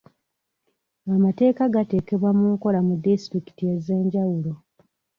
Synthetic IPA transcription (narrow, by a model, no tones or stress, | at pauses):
amate̞ːkaɡate̞ːke̞βwamuŋko̞lamudistɾiki̥tijezeːɲɟawulo̞